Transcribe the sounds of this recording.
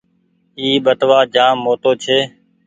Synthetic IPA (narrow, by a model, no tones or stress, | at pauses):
iːɓət̪ʋaːd͡ʒaːmːoːt̪oːt͡ʃʰeː